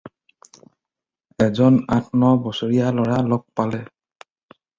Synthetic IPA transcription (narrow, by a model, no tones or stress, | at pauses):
ɛzɔnatʰnɔbɔsoɹijalɔɹalɔk̚palɛ